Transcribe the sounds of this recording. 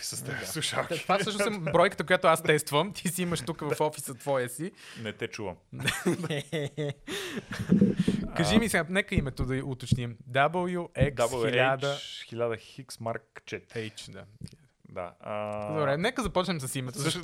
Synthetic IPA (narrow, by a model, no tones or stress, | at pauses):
isəsɛauʃat̪t̪afsɤʃnosɛmbɾɔjkə̥t̪əkojat̪oast̪ɛst̪vɐmt̪ʰisiiməʃt̪ukəvɐfɔfisət̪vɔjəsinɛt̪ɛt͡ʃuvəmnɛnɛ | kɐʒimisɛɡanɛkəimɛt̪od̪ɐiʔʊt̪ot͡ʃnimd̪abəlˠjuʔɛk̪lˠiadt͡ʃ̪əxilʲad̪əxiksmaɾk̚t͡ʃɛt̪ɾɛjt͡ʃd̪a̰ | d̪a̰ɐd̪obɾɛnɛkəzɐpɔt͡ʃnɛmsɐsimɛt̪oʃ